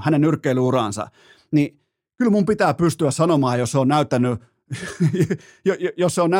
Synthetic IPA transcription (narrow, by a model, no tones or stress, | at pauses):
hænenyrkːeilyurɑ̰ːˑnsɑ̰ | ni | kylmumpit̪æːpyst̪yæssɑnomɑːjosseoːnnæyt̪ːænːy | jojjosseonæ